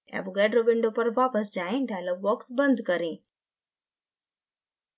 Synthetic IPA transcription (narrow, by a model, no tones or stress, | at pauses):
ɛ̰̃ːboɡɛːɖɾoʋɪ̃ɳɖopɐɾʋaːpəsd͡ʑaːẽnɖʱaːlɐʋɔːksbɐ̃nd̪kɐɾẽː